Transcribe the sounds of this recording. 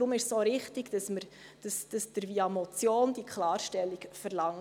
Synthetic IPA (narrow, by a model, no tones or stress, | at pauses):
ɾʊmɪʃssoːɾɪχt̪iɡd̥ɑsməɾ | d̥əsd̥ɑsd̪̥əɾviɑmɔt͡sjoːnd̥̪ikʰχlɑːɾʃtɛlːikfəɾlɑŋ